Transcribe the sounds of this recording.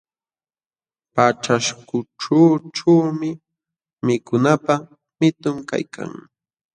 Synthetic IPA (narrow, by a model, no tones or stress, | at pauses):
paʈ͡ʂaʃkʊʈ͡ʂaːʈ͡ʂawmɪ | mɪkʊnapa | mɪt̪ʊmka̰jkʰa̰ŋ